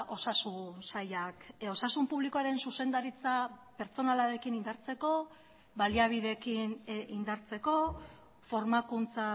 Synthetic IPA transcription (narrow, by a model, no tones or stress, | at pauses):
ʔo̞sasunsajako̞sasumpuβlikoaɾe̞nsuse̞nd̪aɾit͡sape̞ɾt͡so̞nalaɾe̞kinind̪aɾt͡se̞ko̞ | βaliaβ̞iðe̞kinind̪aɾt͡se̞ko̞ | fo̞ɾmakunt͡sa